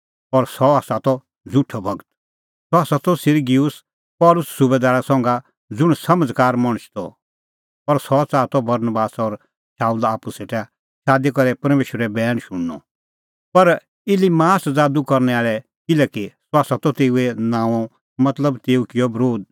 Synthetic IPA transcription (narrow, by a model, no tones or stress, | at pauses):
ɔɾsɔaːsat̪ɔ | d͡zuʈʰɔbʱɐɡət̪ | sɔaːsat̪ɔsɪɾɡiʊs | pɔːlʊsːʊbed̪aːɾasɔ̃ŋɡa | d͡zʊɽ̃sɐməd͡zkaːɾmɐɽ̃ʊt͡ʃʰt̪ɔ̰ | pɐɾsɔt͡saːt̪ɔbɐɾnbaːsɔɾ | saːulaːpuseːʈɛ | ʃaːd̪ikɔɾɛpɐɾmeːʃwəɾɛbɛːɽ̃ʃʊɽːɔ̰ | pɐɾ | ɪlimaːsd͡zaːd̪ukɐɾnɛaːɭɛ | kɪlɛkisɔaːsat̪ɔt̪eːuɛnãːɔ̃ | mɐt̪ləbt̪eːukɪjɔbɾoːd̪̚